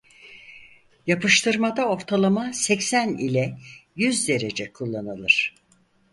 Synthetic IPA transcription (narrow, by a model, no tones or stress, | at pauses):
japʰɯʃt̪ʰɯɾmad̪ao̞ɾt̪ʰalˠamasɛcsænilʲɛjyzd̪e̞ɾed͡ʒɛkʰulˠːanɯlˠɯɾ̝̥